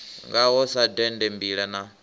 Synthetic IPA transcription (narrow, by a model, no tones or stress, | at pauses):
ŋɡaɦɔsadɛndɛmbiɺɛna